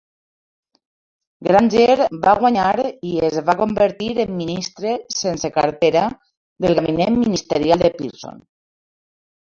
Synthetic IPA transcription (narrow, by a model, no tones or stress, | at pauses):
ɡɾanʲʒeɾβaɣwaɲaɾiezβakombəɾt̪iɾemːinist̪ɾesenseka̰ɾt̪eɾa | ðəlˠɣaβinemmːinist̪əɾjalˠd̪epḭɾso̰n